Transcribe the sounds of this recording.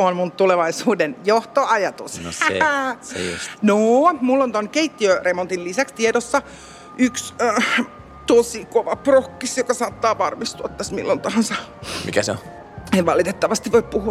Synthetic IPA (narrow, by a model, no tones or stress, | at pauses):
onmunt̪uleʋɑisuːdenjoht̪oɑjɑt̪us | ṵsnoːmulːont̪onkeit̪ːiøremont̪illisækst̪iedosːɑ | ʔyksəː | t̪osikoʋɑprokːisjokɑsɑːt̪ːɑːʋɑrmist̪uɑt̪ːæsmḭlːont̪ɑhɑnsɑmḭkæsḛõ̰ | eʋɑlit̪et̪ːɑʋɑst̪iʋʋoippuhuɑ